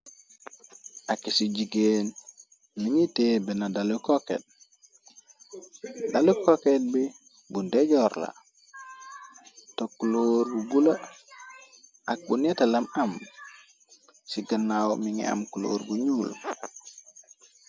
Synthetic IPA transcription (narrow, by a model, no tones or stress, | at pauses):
ʔakːisiɟiɡen | miŋitebenadalukokḛt̚ | dalukoket̚bi | bundeɟoɾla̰ | tokuloːɾbuɡulo | ak̚bunetelamam | siɡənːawmiŋḭa̰mkulo̰ːɾbuɲuːl